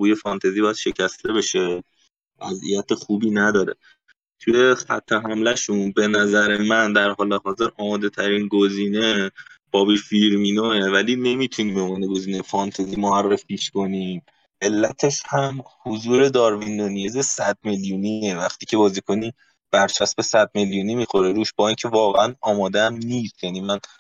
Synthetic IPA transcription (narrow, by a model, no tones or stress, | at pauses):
buːje̞fɒnt̪ʰezibɒːjæd̪ʃe̞cʰæst̪ʰe̞beʃe | væ̰zʔḭjæt̪ʰexuːbiːnæd̪ɒːɾe | t̪ʰuje̞xæ̰t̪ʰːe̞ɦæmlæʃunbe̞næzæɾe̞mænd̪æɾɦɒːle̞ɦɒːze̞ɾʔɒːmɒːd̪e̞t̪ʰæɾiːnɡoziːne̞b̥ɒːbiːfiɾmiːnoevæliːne̞miːt̪ʰuniːmbomɒːneɡo̞ziːnejfɒnt̪ʰeziːmoærːefiːʃko̞niːm | ʔe̞lːæt̪ʰe̞ʃhæmhozuːɾe̞d̪ɒːɾvind̪onijezesæd̪̥̚meljuːniːevæxt̪ʰiːcʰe̞bɒːziːkʰo̞niː | b̥æɾt͡ʃʰæst̪be̞sæd̪̚me̞ljuːnimiːxo̞ɾeɾuːʃb̥ɒːincʰevɒːɣeænɒːmɒːd̪eæmniːst̪jæniːmæn